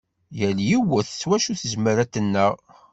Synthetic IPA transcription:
jæljiwəθswæʃuθəzməɾæt̪ənːəʁ

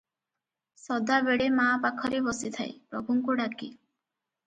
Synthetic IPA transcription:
sɔd̪abeɽemapakʰɔɾebɔsit̪ʰa̰j̰pɾɔbʱuŋkuɖaki

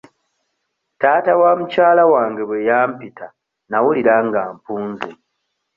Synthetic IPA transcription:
taːtawamucaːlawaːŋɡe̞βwejaːmpitʰa | nawuliɾaŋɡaːmpuːnze

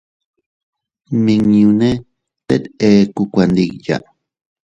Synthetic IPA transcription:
miŋɲune | t̪et̪eːkukʷand̪ikja̰

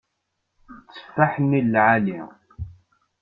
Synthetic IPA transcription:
t͡sːə̥fːaħnːilːʕali

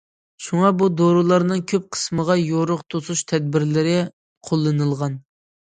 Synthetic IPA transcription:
ʃuŋɑbud̪oɾulˠɑɾnɨŋkʲʰøp̚qʰə̥sməʁɑjoɾʊqt̪ʰosuʃt̪ʰɛd̪̚bɪɾlɪɾɪ | qʰolˠːɨnɨlˠʁɑn

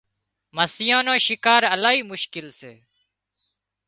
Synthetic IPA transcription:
məsɪjãːnõːʃɪkaːɾəlaːɦiːmʊʃkɪlsḛː

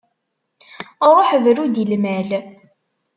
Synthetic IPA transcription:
ɾˤoħəvɾud̪ilmæl

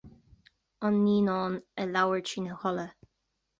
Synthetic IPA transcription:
ɑnːiːnɑːnəlawəɹt͡ʃinəhɔlə

